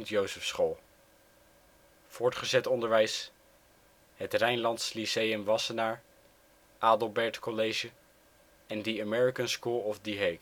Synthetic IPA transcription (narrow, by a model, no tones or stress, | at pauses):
ntjowsəfsχolˠ | v̥ʊːɹtχəzɛtɔndəɹʋɛjs | ɦətrɛjnlɑntslisejəmʋɑsənaːɹ | ʔaːdəlˠbɛɹtkɔlejʒə | ɛndəamɛɹikənskuːlˠɔfdiɦejk